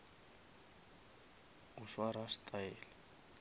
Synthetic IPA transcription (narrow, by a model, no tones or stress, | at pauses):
ʊʃwaɾastʼaɛːlɛ